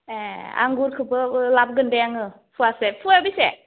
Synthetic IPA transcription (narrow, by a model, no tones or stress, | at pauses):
ea̰ŋɡuɾkʰɯbɯlab̚ɡɯndeaŋɯ | pʰuasepʰuabise